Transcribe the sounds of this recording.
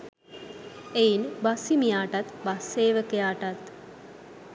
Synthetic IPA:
ejinbasimijaːʈat̪basːeːʋəkejaːʈat̪

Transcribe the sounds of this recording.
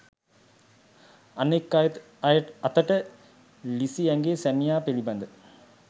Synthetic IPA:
ɐnekːaj̪ | jɐt̪ɐʈə | lisiɛŋɡeːsæmijaːpeɭibɐnd̪ə

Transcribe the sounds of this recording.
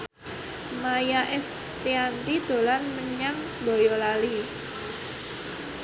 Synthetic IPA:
majaʔɛs | t̪iant̪id̪̥o̤lanməɲam | bojɔlali

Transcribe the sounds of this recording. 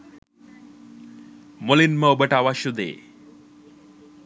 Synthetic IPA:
molinməwbəʈaʋaʃud̪ḛː

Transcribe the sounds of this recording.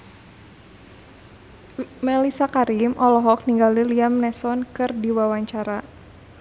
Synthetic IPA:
mɛlisakaɾimʔɔlɔɦɔk̚niŋɡaliliamnɛsɔnkɨrdiwawaɲt͡ʃaɾa

